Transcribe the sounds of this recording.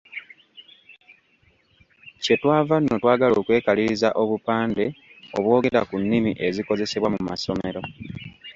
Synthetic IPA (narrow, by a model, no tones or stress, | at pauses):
ce̞twaːvanːo̞twaːɡaloːkwe̞ːkaliɾizaʔo̞βupaːnde̞o̞βwo̞ːɡe̞ɾa̰kunːimiʔe̞ziko̞ze̞se̞βwamumaso̞me̞ɾo̞